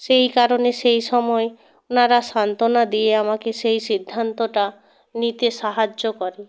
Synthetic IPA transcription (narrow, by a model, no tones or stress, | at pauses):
ʃejkaɾoneʃejʃɔmɔe | onaɾaʃant̪onad̪ieamakeʃejsid̪ʱːant̪oʈa | nit̪eʃaɦad͡ʑːokɔɾe